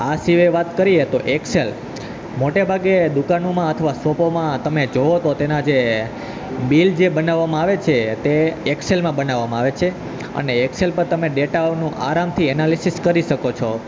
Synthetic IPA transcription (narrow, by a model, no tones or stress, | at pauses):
asiʋeʋat̪kəɾiet̪oʔeksel | moʈebʱaɡed̪ukanomãət̪ʰəʋasopomãt̪əmed͡ʒoot̪ot̪enad͡ʒe | bild͡ʒebənaʋːamãaʋet͡ʃʰet̪eekselmãbənaʋːamãaʋet͡ʃʰe | ə̰neːkselpəɾt̪əmeɖeʈanũʔa̰ɾamt̪ʰiɛnalisiskəɾiʃəkot͡ʃʰo